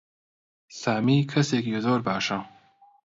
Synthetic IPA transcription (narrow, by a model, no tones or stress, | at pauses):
saːmikʰɐsekjozoːɾbaːʃã